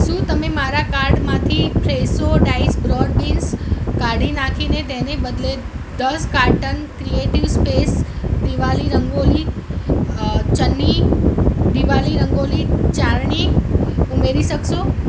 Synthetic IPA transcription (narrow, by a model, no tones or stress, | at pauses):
ʃũt̪əmemaɾakaɾɖmãt̪ʰipʰɾesoɖaisbɾɔɖbinskaɖinakʰinet̪enebəd̪le | d̪əskaɾʈənkɾieʈiʋspesd̪iʋaliɾəŋɡoli | t͡ʃənːi | d̪iʋaliɾəŋɡolit͡ʃaɾɳiumeɾiʃəkʃo